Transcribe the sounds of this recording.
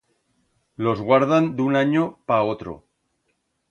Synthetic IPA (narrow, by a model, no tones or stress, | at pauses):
lo̞zɣwaɾð̞and̪unaɲopaot̪ɾo̰